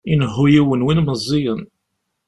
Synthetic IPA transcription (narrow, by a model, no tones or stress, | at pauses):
inɦːujiwənwinməzˤːijən